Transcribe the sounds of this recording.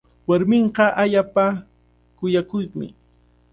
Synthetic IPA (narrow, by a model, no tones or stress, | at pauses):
waɾmɪɴɢɑʔaʎapa | kʊjakʊjmɪ̰